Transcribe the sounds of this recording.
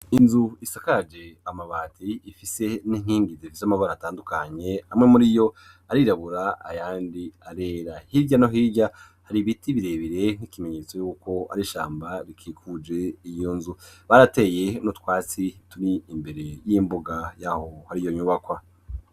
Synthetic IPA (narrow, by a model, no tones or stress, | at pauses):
inzuisakad͡ʒe̞amaβaːtʰiːfise̞niŋ̥hiːŋɡiziifisamaβaɾaːtaːndukaɲe̞amŋe̞muɾijo̞ | aɾiɾaβuɾaa̰jaːndiaɾeːɾahiɾɟanoɦiːɟa | haɾiβitiβiɾe̞βiɾe̞n̥ikime̞ɲe̞t͡so̞juːko̞a̰ɾiʃa̰ːmbaɾikʰiːkʰud͡ʒe̞ijonzuβaɾate̞ːje̞nutwaːt͡situɾiimbe̞ɾe̞jimbuɡajahohaɾijo̞ɲuːβakwa